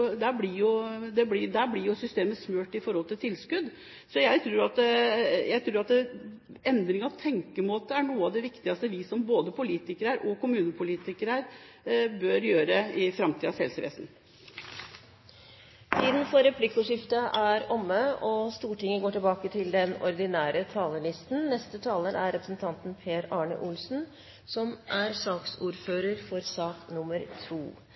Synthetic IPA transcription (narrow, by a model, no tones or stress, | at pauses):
d̪æblɪjʊd̪ɛblɪd̪æblɪjʊsʏst̪eːməsmøːʈɪfɔɾhɔlt̪ʰɪlt̪ʰɪlskʉd̪ | sɔjæɪt̪ʰɾuːɾɑt̪d̪ɛjæɪt̪ʰɾuːɾɑt̪ɛ | ɛnd̪ɾɪŋəɑʋt̪ʰɛŋkəmoːt̪əæɳuːəɑʋd̪ɛʋɪkt̪ɪɡɑst̪əʋɪsɔmboːd̪əpʰʊliːt̪ɪkəɾəɾʔɔkʊmʉːnəpʰʊliːt̪ɪkəɾəɾ | bøɾjøːɾəɪfɾɑmt̪ʰiːɑsɛ̰lsəʋḛːsn | t̪ʰiːd̪n̩fɔɾɛpʰlɪkːʊʂɪft̪əʔæɾɔmːəɔst̪uːʈɪŋːəɡoːʈɪlbɑːkət̪ʰɪld̪ɛnɔ̰ɾd̪ɪnæːɾət̪ʰɑːləɭɪst̪n̩nɛst̪ət̪ʰɑːləɾæɾɾɛpɾəsnt̪ʰɑnt̪n̩pʰeːɾɑːɳə̰ʔʊlsn̩ | sɔmʔæɾsɑːksuːɾføːɾəɾfɔɾsɑːknʊməɾt̪ʰṵː